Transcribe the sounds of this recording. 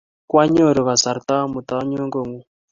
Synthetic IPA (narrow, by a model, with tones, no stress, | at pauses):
kwa˦ɲo˦˨ɾɔ˨βa˨sa˨ɾt̪a˦mu˨t̪a˦ɲo˦ŋɡo˨ŋu˨